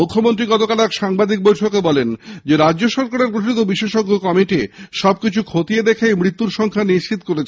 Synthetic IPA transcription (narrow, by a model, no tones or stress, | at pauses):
ukʰːomont̪̬ɾiɡɔt̪okalɛkʃaŋbad̪ik̚bojʈʰokebɔlend͡ʑeɾad͡ʑʑoʃɔɾkaɾeɾkɾoʈit̪obiʃeʃoɡokɔmiʈiʃɔb̚kit͡ɕʰukʰot̪ied̪ekʰemɾit̪ːuɾʃɔŋkʰaniʃt͡ɕit̪̚koɾet͡ɕʰ